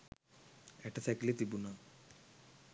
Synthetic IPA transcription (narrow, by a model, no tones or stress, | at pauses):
ɛʈɐseklit̪ibuna